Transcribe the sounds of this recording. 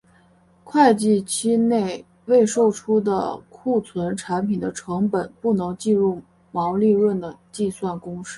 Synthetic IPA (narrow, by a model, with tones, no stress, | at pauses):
kʰwa˥˧ɪt͡ɕi˥˩t͡ɕʰi˥ne˥˩ɪ | we˥˧ɪʂo˥˩ʊʈ͡ʂʰu˥d̪ə̰˨kʰu˥˩t͡sʰwə˧˥nʈ͡ʂʰa˧˥npʰi˨˩nd̪ə˦ʈ͡ʂʰɤ˧˥ŋpə˨˩˦npu˥˩nɤ˧˥ŋt͡ɕi˥˧ɻu˥˩ | mɑ˧˥ʊli˥˧ɻwə˥˩nd̪ə˩t͡ɕi˥˧swa˥˩nkʊ˥ŋʂɻ̩˥˩˥